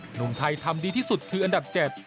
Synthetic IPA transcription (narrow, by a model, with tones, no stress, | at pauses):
nu˨˩˦ŋt̪ʰa˧jt̪ʰa˧mdiː˧t̪ʰiː˥˩su˨˩t̪̚kʰɯː˧ʔa˧nda˨˩p̚t͡ɕɛː˨˩t̪̚